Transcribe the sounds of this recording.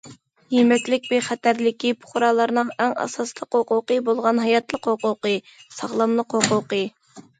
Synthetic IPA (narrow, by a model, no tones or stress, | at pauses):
jimɛt̪lɪk̚ʲbeχæt̪æɾlɪkʲipʰʊ̥χɾɑlˠɑɾnɨŋɛŋɑ̰sɑslˠəqhʊqʊqəbolˠʁɑnɦɑjɑt̪lˠəqhʊqʊqɨ | sɑʁlˠɑmlˠəqhʊqʊqɨ